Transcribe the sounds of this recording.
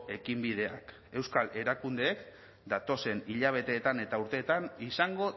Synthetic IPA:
e̞kimbið̞e̞a̰k | e̞wskale̞ɾakund̪e̞ːk | d̪at̪o̞se̞niʎaβ̞e̞t̪e̞ːt̪ane̞t̪auɾt̪e̞ːt̪anisaŋɡo̞

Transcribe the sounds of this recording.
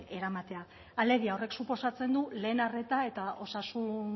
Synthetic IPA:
e̞ɾamat̪e̞a | ale̞ɣiao̞re̞ksupo̞sat͡se̞nd̪ule̞ːnare̞t̪ae̞t̪ao̞sasun

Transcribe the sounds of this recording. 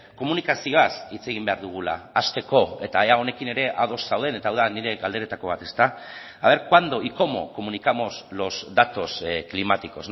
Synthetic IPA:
ko̞munikasioasit͡se̞ɣ̞imbe̞aɾðuɣ̞ula̰ːst̪e̞ko̞e̞t̪aeao̞ne̞kine̞ɾe̞ʔa̰ðo̞sːawð̞e̞ne̞t̪aːwðaniɾe̞ɣald̪e̞ɾe̞t̪ako̞β̞at̪e̞st̪a | aβ̞e̞ɾkwand̪o̞iko̞mo̞̰ko̞munikamo̞zlo̞zd̪at̪o̞sklimat̪iko̞s

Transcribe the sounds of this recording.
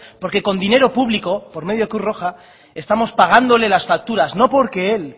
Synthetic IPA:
po̞ɾke̞ko̞nd̪ine̞ɾo̞puβlikopo̞ɾme̞ð̞jo̞kɾuro̞xa | e̞st̪amo̞spaɣ̞and̪o̞le̞lasfak̚t̪uɾazno̞po̞ɾke̞el

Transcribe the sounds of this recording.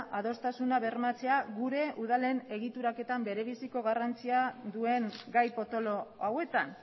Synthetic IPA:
ʔaðo̞st̪asunaβe̞rmat͡se̞aɣuɾe̞ʔuðale̞ne̞ɣ̞it̪uɾake̞t̪ambe̞ɾe̞βisiko̞ɣarant͡siad̪ue̞ŋɡajpo̞t̪o̞lo̞awe̞t̪an

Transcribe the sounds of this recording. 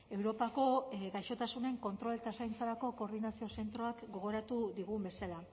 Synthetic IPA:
e̞wɾo̞pako̞ɡajʃo̞t̪asune̞ŋko̞nt̪ɾo̞let̪asajnt͡saɾako̞ko̞ːɾðinasio̞se̞nt̪ɾo̞akɡo̞ɣ̞o̞ɾat̪uðiɣ̞umbe̞sala

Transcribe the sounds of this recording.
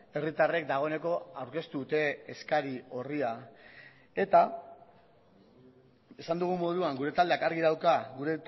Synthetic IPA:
e̞rit̪are̞k̚d̪aɣ̞o̞e̞ne̞ko̞awɾke̞st̪uut̪e̞ːskaɾio̞ria | e̞t̪a | e̞sand̪uɣ̞umo̞ð̞uaŋɡuɾe̞t̪ald̪e̞akaɾɣiðawkaɣuɾe̞

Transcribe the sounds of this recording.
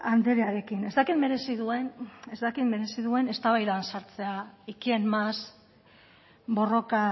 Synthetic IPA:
and̪eɾeaɾe̞kine̞zd̪akit̪me̞ɾe̞siðue̞nezd̪akit̪me̞ɾe̞siðue̞ne̞st̪aβajðansaɾt͡se̞aikie̞nmas | bo̞ro̞ka

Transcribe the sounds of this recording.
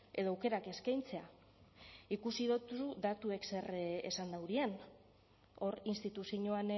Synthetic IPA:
e̞ð̞oawke̞ɾake̞skajnt͡se̞a | ikusiðot̪usud̪at̪ue̞kse̞rḛsand̪awɾian | o̞rinst̪it̪usiɲoan

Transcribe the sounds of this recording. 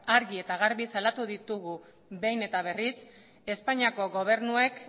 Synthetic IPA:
aɾɣie̞t̪aɣaɾβisalat̪uðit̪uɣu | βe̞jne̞t̪aβ̞e̞ris | e̞spaɲiako̞ɣo̞β̞e̞ɾnue̞k

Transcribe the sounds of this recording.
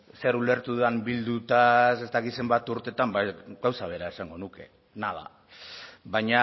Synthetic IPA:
se̞ɾule̞ɾt̪uðambild̪ut̪ase̞st̪akit̪se̞mbat̪uɾt̪e̞t̪ambaɡawsaβ̞e̞ɾae̞saŋɡo̞nuke̞ | naða̰ | βaɲa

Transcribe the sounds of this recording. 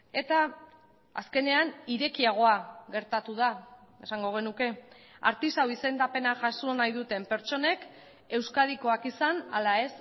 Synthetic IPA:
e̞t̪a | a̰ske̞ne̞aniɾe̞kiaɣ̞o̞aɣe̞ɾt̪at̪uð̞ae̞saŋɡo̞ɣ̞e̞nuke̞ | a̰ɾt̪isawise̞nd̪ape̞naʝasonajðut̪e̞mpe̞ɾt͡ʃo̞ne̞k | e̞wskaðiko̞akisana̰lae̞s

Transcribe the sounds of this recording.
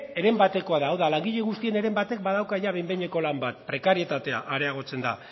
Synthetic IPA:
e̞ɾe̞mbat̪e̞ko̞aðaːwðalaŋɡiʎe̞ɣust̪ie̞ne̞ɾe̞mbat̪e̞k̚bað̞awkaʝaβe̞jmbeɲe̞ko̞lambat̪̚pɾe̞kaɾie̞t̪at̪e̞a̰ʔaɾe̞aɣ̞o̞t͡se̞nd̪a̰

